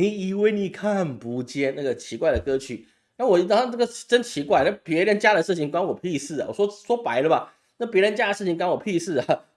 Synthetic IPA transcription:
ni˨˩i˨˩we˥˩ɪni˨˩kʰa˥˩npu˧˥t͡ɕjɛ˥na˥˩ɡə˩t͡ɕʰi˧˥kwa˥˩ɪd̪ə˩kɤ˧˥t͡ɕʰy˨˩˦ | na˥˧˩wɔ˨˩˥t̪ɑ˥ŋɑ˥˧ŋna˥˩ɡə˨ʈ͡ʂə˦˥nt͡ɕʰi˧˥kwa˥˩ɪna˥˩pjɛ˧˥ɻə˧˦nt͡ɕja˥ɾə˨ʂɻ̩˥˩t͡ɕʰi˨˩˦ŋkwa˥nwɔ˨˩pʰi˥˧sɹ̩˥˩a̰˨˩wɔ̰˨˩wɔ˥swɔ˥pa˧˦ɪlə˧ba˨ | na˥˩pjɛ˧˥ɻə˧˦nt͡ɕja˥ə˨˩ʂɻ̩˥˩t͡ɕʰi˨˦ŋkwa˥nwɔ˨˩pʰi˥˧sɹ̩˥˩a˩

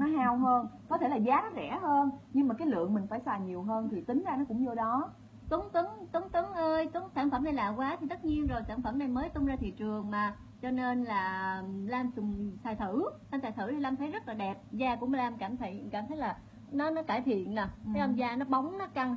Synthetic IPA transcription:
nɔ˨˦ɦaː˧wɦəː˧nkɔ˨˦t̪ʰe˧˩laː˨˩zaː˨˦nɔ˨˦zɛ̰˧˩həː˧nɲɨ˧ŋmaː˨˩kaː˨˦jlɨ̰˧˨əŋmï˨˩ŋ̟faː˧˩jsaː˨˩ɲi˨˩əwɦəː˧nt̪ʰi˨˩t̪ï˨˦ŋ̟zaː˧nɔ˨˦kʊ̰˧˥ŋ͡mzo˧ɗɔ˨˦ | t̪u˨˦ŋt̪ɨ˨˦ŋt̪u˨˦ŋt̪ɨ˨˦ŋʔəː˧jt̪u˨˦əŋsaː˧˩nfə˧˩mna˨˩jla̰ː˧˨kwaː˨˦t̪ʰi˨˩t̪ə˦˥t̚ɲi˧ənzo˨˩jsaː˧˩nfə˧˩mna˨˩jməː˨˦jt̪ʊ˧ŋ͡mzaː˧t̪ʰḭ˧˨t͡ɕɨ˨˩əŋmaː˨˩ | t͡ɕɔ˧ne˧nlaː˨˩laː˧mt͡ɕʊ˨˩ŋ͡msaː˨˩jt̪ʰɨ˧˩laː˧msaː˨˩jt̪ʰɨ˧˩t̪ʰi˨˩laː˧mt̪ʰə˨˦jzə˦˥t̚laː˨˩ɛ˨˩p̚zaː˧˩ku˧˩əmə˨˦laː˧mkaː˧˩mt̪ʰi˧jkaː˧˩mt̪ʰə˨˦jlaː˨˩ | nɔ˨˦nɔ˨˦kaː˧˩jt̪ʰḭ˧˨ənːa˨˩˨la˧mzaː˧nɔ˨˦ɓa˨˦wŋ͡mnɔ˨˦ka˨˩ŋ

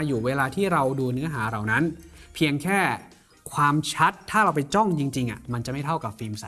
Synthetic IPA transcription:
juː˨˩weː˧laː˧t̪ʰiː˥˩ɾa˧wduː˧nɯ˦˥ɐɦaː˩˦ɾa˨˩wna˦˥npʰi˧ənkʰɛː˥˩ | kʰwaː˧mt͡ɕʰa˦˥t̪ʰːaː˥˩ɾa˧wpa˧jt͡ɕɔ˥˩ŋt͡ɕi˧ŋt͡ɕi˧ŋʔa̰˨˩ma˧nt͡ɕa˨˩ʔma˥˩jt̪ʰa˥˩wka˨˩p̚fiː˧msa˨˦

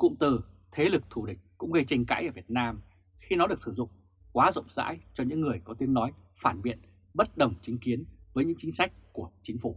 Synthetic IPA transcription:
kʊ̰˧˨ŋ͡mt̪ɨ˨˩t̪ʰe˨˦lɨ˨˩k̚t̪ʰu˧˩ɗï˨˩k̟̚kʊ̰˧˥ŋ͡mɣə˧jt͡ɕa˧jŋ̟ka̰ː˧˥jʔəː˧˩vi˨˩ət̚naː˧m | xi˧nɔ˨˦ɗɨ˨˩ək̚sɨ˧˩zʊ̰˧˨ŋ͡m | kwaː˨˦zə̰˧˨wŋ͡mza̰ː˧˥jt͡ɕɔ˧ɲɨ̰˧˥ŋːɨ˨˩əjkɔ˨˦t̪i˨˦ənːɔ˨˦j | faː˧˩nɓḭ˧˨ən | ɓə˦˥t̚ɗə˨˩wŋ͡mt͡ɕï˨˦ŋ̟ki˨˦ənvəː˨˦jɲɨ̰˧˥ŋt͡ɕï˨˦ŋ̟sa˦˥jk̚ku˧˩ət͡ɕï˨˦ŋ̟fu˧˩

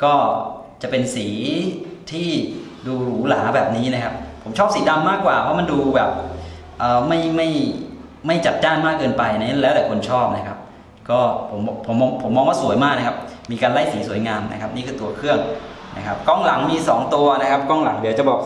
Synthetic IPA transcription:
kɔː˥˩ | t͡ɕa˨˩pe˧nsiː˩˦t̪ʰiː˥˩ | duː˧ɾuː˩˦laː˩˦bɛː˨˩p̚niː˦˥na˦˥kʰa˦˥p̚pʰːo˩˦mt͡ɕʰɔː˥˩p̚siː˩˦da˧mːaː˥˩kːwaː˨˩pʰɔ˦˥ma˧nduː˧bɛː˨˩p̚ | ʔɤː˨˩ma˥˩jma˥˩j | ma˥˩jt͡ɕa˨˩t̪̚daː˥˩nmaː˥˩kːɤː˧npa˧jʔna˦˥˦lɛː˦˥wt̪ɛː˨˩kʰo˧nt͡ɕʰɔː˥˩p̚na˦˥kʰa˦˥p̚ | kɔː˥˩pʰo˩˦m˧pʰo˩˦mːɔː˧ŋpʰo˩˦mːɔː˧ŋwaː˥˩su˨˩˦jmaː˥˩k̚na˦˥kʰa˦˥p̚ | miː˧kaː˧nla˥˩jsiː˩˦su˩˦jŋaː˧mna̰˦˥kʰa˦˥p̚niː˥˩ɯː˧t̪u˧ɐkʰɯ˥˩əŋ | nʔa˦˥kʰa˦˥p̚kɔ˥˩ŋla̰˩˦ŋmiː˧sɔ̰ː˩˦ŋt̪u˧ɐna˦˥kʰa˦˥p̚kɔː˥˩ŋla̰˩˦ŋdi˩˦wt͡ɕa˨˩bɔː˨˩k̚

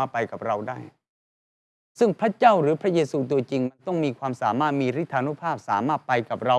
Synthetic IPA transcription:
a˧pa˧jka˨˩p̚ɾa˧wdaː˥˩j | sɯ˥˩ŋpʰɾa˦˥t͡ɕa˥˩wɾɯː˩˦pʰɾa˦˥jeː˧suː˧t̪u˧ɐt͡ɕi˧ŋma˧nt̪ɔ˥˩ŋmiː˧kʰwaː˧msaː˩˦maː˥˩t̪̚miː˧ɾi˦˥t̪ʰːaː˧nu˦˥pʰaː˥˩p̚saː˩˦maː˥˩t̪̚pa˧jka˨˩p̚ɾa˧

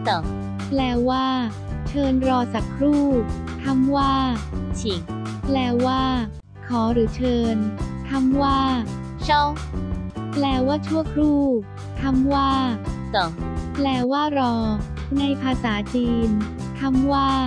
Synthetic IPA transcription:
sɔ˨˩˦ŋ | plɛː˧˩waː˥˩ | t͡ɕʰɤː˧nɾɔː˧sa˨˩kʰːɾuː˥˩ | t̪ʰa˧˥mwaː˥˩t͡ɕʰi˨˩˦ŋ | plɛː˧˩waː˥˩ | kʰɔː˩˦ɾɯː˩˦t͡ɕʰɤː˧nt̪ʰa˧˥mwaː˥˩ | t͡ɕʰɔ˥˩ŋ | plɛː˧˩waː˥˩t͡ɕʰu˥˩əkʰɾuː˥˩ | t̪ʰa˧˥mwaː˥˩sɔ˨˩˦ŋplɛː˧˩waː˥˩ɾɔː˧ | na˧jpʰaː˧saː˩˦t͡ɕiː˧n | t̪ʰa˧˥mwaː˥˩

